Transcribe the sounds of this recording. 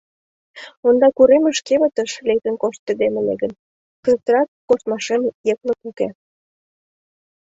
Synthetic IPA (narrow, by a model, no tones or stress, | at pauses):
ond̪ɑkuɾemə̆ʃkeβə̆t̪əʃlek̚t̪ə̆nkoʃt̪̚ːed̪emĕnḛɡən | t̪əst̪əɾɑkːost̪mɑʃemjekləkuke